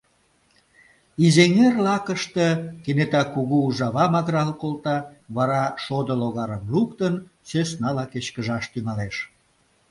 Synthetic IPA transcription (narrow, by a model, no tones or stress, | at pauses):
izeŋerlɑkəʃt̪əkenet̪ɑkuɣuːʒɑβɑmɑɣɾɑlkolt̪ɑβɑɾɑʃod̪əloɣɑɾəmlukt̪ənsøsnɑlɑket͡ɕkəʒɑʃt̪yŋɑleʃ